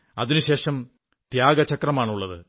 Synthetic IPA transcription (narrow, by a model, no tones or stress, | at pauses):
ɐ̰ðinuɕe̞ːʂɐm | t̪jaːɡɐt͡ɕɐkrɐmaːɳuɭːɐðɨ̰